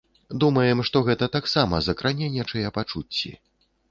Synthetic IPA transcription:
d̪umɐjɛmʂt̪ɔɣɛt̪ɐt̪aksamɐ̰zɐkɾanʲɛnʲɛt͡ʂɐjɛpat͡ʂut͡sʲːḭ

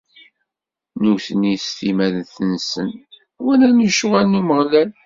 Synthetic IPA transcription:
nuθənist̪imæðənθənsən | wænænəʃuʁænːuməʁlæl

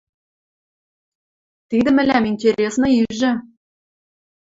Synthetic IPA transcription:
t̪id̪ɘ̆mɘ̆lʲæminʲtʲeɾʲesnɤ̆iʒɘ̆

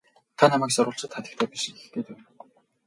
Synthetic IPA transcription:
t̪ʰanamæːksʊɾʊːɬt͡ɕə̆t̪χʰat̪ʲɪ̆k̚t̪ʰæːpiʃixɘ̥̆xt̪ʰeːt̪æw

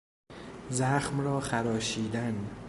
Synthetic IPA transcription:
zæxmrɒːxæɾɒːʃiːd̪æn

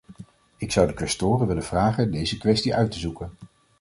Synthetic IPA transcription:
ɪksʌwdəkɛstoːrənʋɪlənv̥raːχəndejzəkʋɛstiʔœɥtəzukən

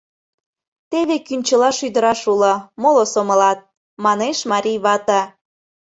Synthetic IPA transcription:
t̪eβekynʲt͡ɕəlɑʃyd̪əɾɑʃulɤ̆molosomə̆lɑt̪̚ | mɑneʃmɑɾʲijβɑt̪ɑ

